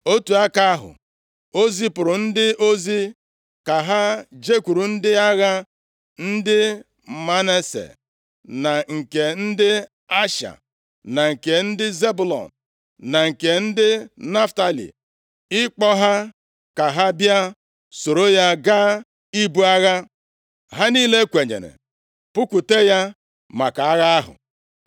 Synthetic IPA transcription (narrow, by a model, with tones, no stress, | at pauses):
o˦tu˨a˦ka˦ɦʊ̰˨ | o˦zi˦pʊ˨ɾʊ˨n̩˦dɪ˦ʔo˦zi˦ | ka˨ɦa˦d͡ʒe˦kʷu˨ɾu˨n̩˦dɪ˦a˦ɣa˦ | n̩˦dɪ˦˨ | ma˦ne˦sḛ˨ | na˨ŋ̩˨ke˨n̩˦dɪ˦ | a˦ʃa̰˨ | na˨ŋ̩˨ke˨n̩˦dɪ˦ze˦bu˨lɔ̰˨n | na˨ŋ̩˨ke˨n̩˦dɪ˦na˦fta˦lḭ˨ | ɪ˦k͡pɔ˦ɦa˦ | ka˨ɦa˦bja˦ | so˨ɾo˦ja˦ɡaː˦ | i˦bu˦a˦ɣa˦ | ɦa˦niː˦le˦kʷe˨ɲḛ˨nḛ˨ | pu˦ku˨te˦ja˦ | ma˨ka˨a˦ɣa˦a˦ɦʊ̰˨